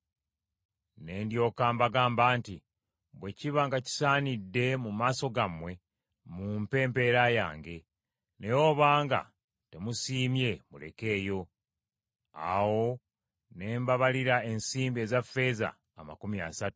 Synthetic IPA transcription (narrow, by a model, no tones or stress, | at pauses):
ne̞ːndjo̞kaːmbaɡaːmbaːnti | bwe̞ciβaŋɡaci̥saːnidːe̞mumaːso̞ɡamwe̞ | mumpe̞ːmpe̞ɾaja̰ːŋɡe̞ | ne̞jo̞ːβaːŋɡa̰ | te̞musiːmje̞mule̞̰ke̞ːjo̞ | a̰wo̞ | ne̞ːmbaβaliɾae̞nsiːmbie̞ːzafːe̞za̰ːma̰kumia̰satu̥u